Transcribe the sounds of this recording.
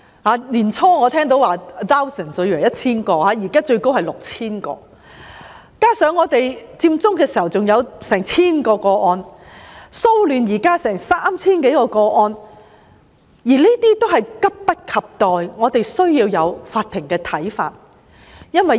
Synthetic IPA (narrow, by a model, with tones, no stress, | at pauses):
haː˨˧˥liː˨˩nt͡sʰɔː˥ŋɔː˨˧t̪ʰɛː˥ŋt̪o˨˥waː˨t̪aː˥wsɐ˨nsɔ˨˧jy˨˩lɐ˨˩jɐ˥t̚t͡sʰiː˥nkɔː˧haː˨˥jiː˨˩kaː˥t͡ʃɵ˧ɥko˥whɐ˨jlʊ˨k̚t͡sʰiː˥nkɔ̰ː˧ | kaː˥sœː˨˧˥ŋːɔː˨˧t̪e˨jt͡siː˧mt͡sʊ˥ŋkɛː˧si˨˩hɐ˨˩wt͡sʊ˨ŋjɐ˨˧wsɛː˨˩ŋt͡sʰiː˥nkɔː˧kɔː˧ʔɔː˧n | so˥wlyː˨˧njiː˨˩kaː˥sɛː˨˩ŋsaː˥mt͡sʰiː˥nke˨˥jkɔː˧kɔː˧ʔɔː˧n | jiː˨˩liː˥t̪iː˥t̪o˥whɐ˨jkɐ˥p̚pɐ˥t̚kʰɐ˨p̚t̪ɔː˨jŋɔː˨˧t̪e˨jsɵ˥ɥjiː˧wjɐ˨˧wfaː˧t̪̚ʰːɪ˨˩ŋkɛː˧t̪ʰɐ˨˥jfa̰ː˧t̚ | jɐ˥nwɐ˨j